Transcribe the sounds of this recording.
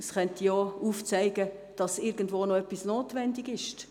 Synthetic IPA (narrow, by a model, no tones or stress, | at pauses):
sχœntijɔːuːft͡sæɪɡə | d̥ɑsɪɾɡən̩dvoːnoœpːisnoːtʋɛndiɡɪʃt